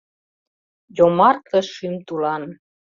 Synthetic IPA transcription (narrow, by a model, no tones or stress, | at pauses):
jomɑrkə̆ʃymt̪ulɑn